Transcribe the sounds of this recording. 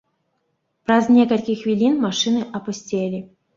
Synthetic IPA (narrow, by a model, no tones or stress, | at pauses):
pɾaznʲekɐlʲkʲixvʲilʲinmaʂɨnɨʔɐpʊsʲtʲelʲi